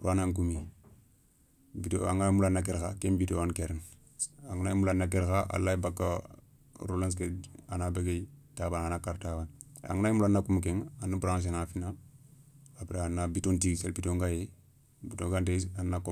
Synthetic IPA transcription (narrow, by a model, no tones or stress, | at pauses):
ɾuanaŋk̬umi | bitoaŋamulanːak̬eɾxakembitowankeɾn | aŋunajimulanakeɾxaa̰lːaibakːa | ɾolans̬keanabeɡetabananakaɾtaban | a̰ŋɡunajmulanːakumukeŋanabuɾaŋs̬enafina | abɾaanːabitontiɡsḛlbitoŋɡaje | bitoŋɡanteanːako